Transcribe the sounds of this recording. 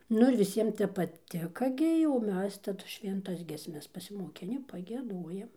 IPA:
ˈnʊ ɪr ʋʲɪˈsʲiɛm ˈtʲɛp pɐˈtʲɪkɐ ˈɡʲɪ jɛʊ oː ˈmʲɛs tɐˈdʊ ʃʲʋʲɛnˈtɐs ɡʲiɛsʲˈmʲɛs pɐsʲɪmoːˈkʲɪnʲɪ pɐɡʲiɛˈduɔjɛm

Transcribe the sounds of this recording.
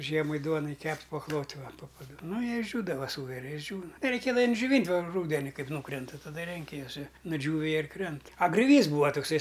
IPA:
ˈʒʲiɛmɐɪ ˈduɔnɐɪ ˈkʲɛpʲtʲ pɐklˠoːtʲ ˈʋɐ poː pɐˈdʊ ˈnʊ jiɛ ɪʒʲʒʲuːdɐʋɐ ˈsuːʋʲɛrʲɪ ɪʒʲˈd͡ʒʲuːnɐ rʲɛɪˈkʲeːdɐʋɐ d͡ʒʲoːˈʋʲiːnʲtʲ ʋɐ ˈruːdʲɛnʲɪ ˈkɐɪp ˈnuːkrʲɛntɐ tɐˈdɐ ˈrʲɛŋʲkʲɪ juɔs ɪ nʊˈd͡ʒʲuːʋʲɪ ˈjiɛ ɪr ˈkrʲɛnt ɐ ɡrʲoːˈʋʲiːs ˈbuːɐ tʊkˈsɐɪ

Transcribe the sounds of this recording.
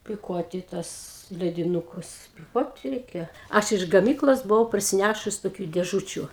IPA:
pʲɪˈkuɔtʲɪ tuɔs lʲɛdʲɪˈnʊkʊs pʲɪˈkuɔtʲɪ ˈrʲɛɪkʲɛ ˈɐʃ ɪʃ ɡɐˈmʲiːklˠoːs bʊˈʋɐʊ pɐrʲsʲɪˈnʲæʃʊs toːˈkʲuː dʲeːˈʒʊt͡ʃʲʊ

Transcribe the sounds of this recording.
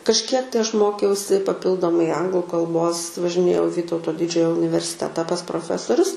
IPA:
kɐʃʲˈkʲiɛk tɐɪ ˈɐʃ ˈmoːkʲɛʊsʲɪ pɐˈpʲɪlˠdoːmɐɪ ˈɐŋɡlˠʊ kɐlˠˈboːs ʋɐʒʲɪˈnʲeːjɛʊ ɪ ˈʋʲiːtɐʊtoː ˈdʲɪd͡ʒʲoːjoː ʊnʲɪʋʲɛrʲsʲɪˈtʲæːtɐ pɐs proːˈfʲæːsoːrʲʊs

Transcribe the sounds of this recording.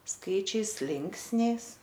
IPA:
ˈskɐɪt͡ʃʲɛɪs ˈlʲɪŋksʲnʲɛɪs

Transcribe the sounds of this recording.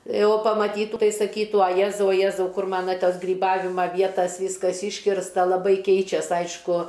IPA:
ˈjɛʊ pɐmɐˈtʲiːtuː ˈtɐɪ sɐˈkʲiːtuː ɐ ˈjæːzɐʊ ɐ ˈjæːzɐʊ ˈkʊr ˈmɑːnɐ ˈtɐs ɡrʲiːˈbɑːʋʲɪmɐ ˈʋʲiɛtɐs ˈʋʲiːskɐs ˈiːʃʲkʲɪrstɐ lˠɐˈbɐɪ ˈkʲɛɪt͡ʃʲɛs ˈɐɪʃkʊ

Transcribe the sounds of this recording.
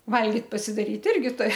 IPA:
ˈʋɐlʲɡʲɪt pɐsʲɪdɐˈrʲiːt ˈɪrʲɡʲɪ ˈtʊrʲɪ

